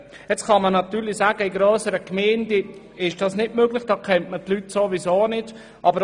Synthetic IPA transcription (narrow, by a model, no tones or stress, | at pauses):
jɛt͡skɑmənɑt̪yːɾlisaːɡəɪɡɾœːsəɾəkmɛːndə | ɪʃd̥ɑːsnɪtmøɡlɪχd̥ɑːkʰɛntmətlytsovizoːnɪt | ʔɑbəɾ